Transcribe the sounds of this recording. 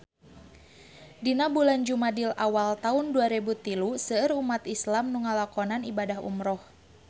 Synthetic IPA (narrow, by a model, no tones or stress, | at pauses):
dinabuland͡ʒumadilawalt̪aunduaɾibut̪ilusəəɾumat̪islamnuŋalakɔnanibadaɦṵmɾɔh